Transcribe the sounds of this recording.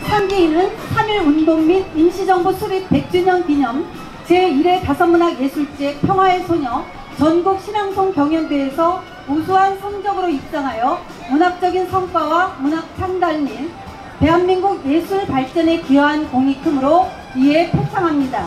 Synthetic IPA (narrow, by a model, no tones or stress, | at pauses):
sʰamɡiinɯnsʰamiɾundoŋmidinɕʰid͡ʑʌŋbusʰubek̚pe̞k̚t͡ɕ͈uɲʌnkiɲʌm | t͡ɕeiɾe̞tasʰʌmːunaɡje̞sʰuɭt͡ɕ͈epʰjʌŋɦwaesʰoɲʌ | t͡ɕʌnɡuk̚ɕʰinaŋsʰoŋkjʌŋjʌndeːsʰʌ | usʰuɦansʰʌŋd͡ʑʌɡɯɾoip̚t͡ɕ͈aŋɦajʌ | munɦap̚t͡ɕ͈ʌɡinsʰʌŋk͈wawamunap̚t͡ɕʰandaɭmin | pe̞ɦanmiŋɡuɡjesʰuɭpaɭt͡ɕ͈ʌne̞kiʌɦankoŋikʰɯmɯɾo | ie̞pʰot͡ɕʰaŋɦamɲida